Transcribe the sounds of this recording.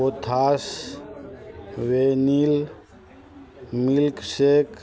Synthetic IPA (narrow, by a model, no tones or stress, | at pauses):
ot̪ʰas | wenil | milksek